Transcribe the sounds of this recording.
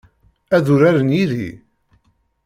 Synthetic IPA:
æðuɾaɾənjiðḭ

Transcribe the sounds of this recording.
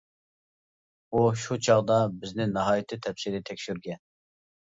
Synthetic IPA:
uʃut͡ʃʰɑʁd̪ɑbɪznɪnɑɦɑːjit̪ʰɨt̪ʰɛpsiɾɪt̪ʰɛkʲʃyɾɡʲɛn

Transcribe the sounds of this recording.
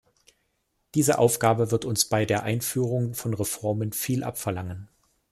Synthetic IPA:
d̥iːzəʔa̰ʊfɡ̥aːbəvɪɐtʊnsb̥aɪdeːɐʔaɪnfyːʁ̞ʊŋfɔnʁefɔɐmənfiːlʔa̰pfɛɐlaŋən

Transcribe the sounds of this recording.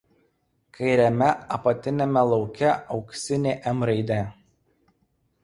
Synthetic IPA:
kʰɐɪɾʲɛmʲɛɐpɐt̪ʲɪnʲɛmʲɛlˠɒʊkʲɛɒʊksʲɪnʲeːʔɛmɾɐɪd̪ʲɛ

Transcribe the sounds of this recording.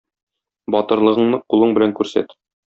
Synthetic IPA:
bɒt̪ɤ̆ɾlˠɤ̆ʁɤ̆ɴmɤqulˠɤɴbɘ̆læŋkʉɾsæ̰t̪

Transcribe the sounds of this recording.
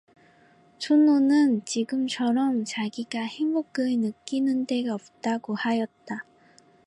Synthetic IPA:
t͡ɕʰononɯnt͡ɕiɡɯmt͡ɕʰʌɾʌmt͡ɕaɡiɡahemboɡ͈ɯnɯk͈inɯnde̞ɡaʌp̚t͈aɡohajʌt̚t͈a

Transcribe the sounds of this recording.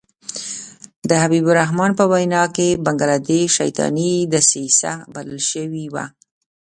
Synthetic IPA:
d̪əɦabibʊɾaɦmɑnpəwajnɑkebaŋɡalad̪eʃa̰jt̪ɑ̰nid̪əsisa̰baləlʃəwiwa̰

